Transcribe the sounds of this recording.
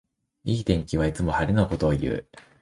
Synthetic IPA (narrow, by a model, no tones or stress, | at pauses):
iːt̪ẽ̞ŋkʲiβait͡sɨmo̞haɾʲinoko̞t̪o̞ːjɯ̟̰ː